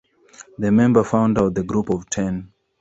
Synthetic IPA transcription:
ðəmɛ̃mbəfãʊ̃ndat̚ðəɡɹupɔvtʰɛ̃n

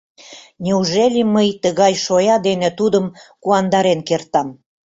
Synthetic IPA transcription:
nʲeuʒelʲiməjt̪əɣɑjʃojɑd̪enet̪ud̪əmkuɑnd̪ɑɾenkert̪ɑm

